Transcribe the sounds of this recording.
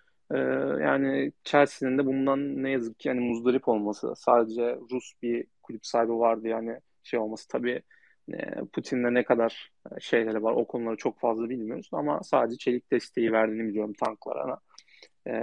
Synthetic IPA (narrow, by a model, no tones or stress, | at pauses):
ɛːja̰ːnɪt͡ʃʰæɾsinind̪ɛbund̪anːɛjazɯk̚cʰːihanimuzd̪aɾipʰo̞lˠmasɯ̰saːd̪ed͡ʒɛɾusbikʰulʲypsaːibavaɾd̪ɯjaːnɪ | ʃejo̞lˠmasɯ̥t̪ʰabiː | ɛ̰pʰut̪ʰind̪ɛnɛkʰad̪aɾ̥ | ʃe̞jlʲeɾɛvaɾʔo̞̰kʰo̞nulˠaɾat͡ʃʰo̞kfazlˠabilʲmijo̞ɾusna̰ma̰sa̰ːd̪ed͡ʒɛt͡ʃʰelʲic̚d̪ɛst̪ʰe̞jivæɾd̪inibilijo̞ɾumt̪ʰanklˠa̰ɾa̰na | ɛ